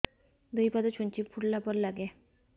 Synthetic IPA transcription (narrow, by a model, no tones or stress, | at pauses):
d̪əjpad̪ɔt͡ɕʰoɲt͡ɕifʰuʈlapɔɾlaɡɛ